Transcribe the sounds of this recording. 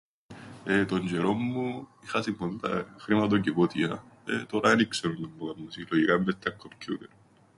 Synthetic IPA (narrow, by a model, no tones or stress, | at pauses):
et̪oɲd͡ʒeɾomːuixɐsibont̪ɐ̰xɾimɐt̪ocivot̪iɐ | ḛt̪oɾɐenikseunːumbokɐmusiloʝikɐmːet̪ʰːɐkʰːomkut̪eɾ